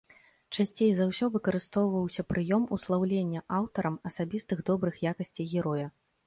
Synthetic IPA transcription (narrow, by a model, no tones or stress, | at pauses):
t͡ʂasʲt͡sʲejzawsʲɔvɨkɐɾɨst̪ɔwvɐwsʲɐpɾʔɨjɔmuslˠawlʲenʲːɐʔawt̪ɐɾɐmɐsabʲist̪ɨɣd̪ɔbɾɨxjakɐsʲt͡sʲijɣʲɛɾɔjɐ